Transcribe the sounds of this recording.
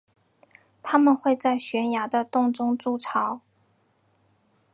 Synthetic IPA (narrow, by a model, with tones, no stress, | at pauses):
t̪ʰa˥mə˨nxwe˥˧ɪt͡sa˥˩ɪɕɥɛ˧˥nja˧˥d̪ə˧t̪ʊ˥˧ŋʈ͡ʂʊ˥ŋʈ͡ʂu˥˩ʈ͡ʂʰɑ˧˥˦ʊ